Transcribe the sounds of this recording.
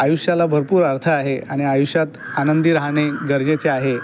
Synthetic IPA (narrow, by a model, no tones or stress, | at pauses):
ajuʂjalabʱəɾpuːɾaɾt̪ʰəaɦeaɽ̃iajuʂjat̪ | anənd̪iːɾaɦɳ̃eɡəɾd͡ʑet͡seaɦe